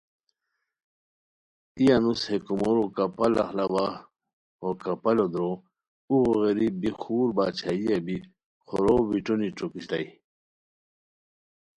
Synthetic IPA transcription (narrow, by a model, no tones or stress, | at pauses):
ijanushekumoɾukapala̰xlawa | okapɐlod̪ɾo | uɣoɣeɾibixuːɾbaːt͡ɕʰaiabi | xoɾowiʈoniʈ͡ʂokiɕla̰j